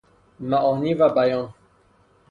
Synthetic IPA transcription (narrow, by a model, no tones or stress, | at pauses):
maʔɔnivabajɑ̃